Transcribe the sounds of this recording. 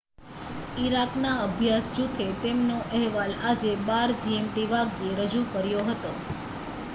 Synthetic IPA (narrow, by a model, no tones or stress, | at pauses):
iɾaknaəbʱjasd͡ʒut̪ʰet̪emnoʔɛɦʋalad͡ʒebaɾd͡ʒiemʈiʋaɡeɾəd͡ʒukəɾjoɦət̪o